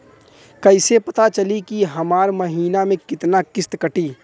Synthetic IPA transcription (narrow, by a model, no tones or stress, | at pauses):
kɐɪsepɐt̪at͡ʃɐlikiɦɐmaːɾmɐɦiːnamẽkɪt̪nakɪst̪kɐʈiː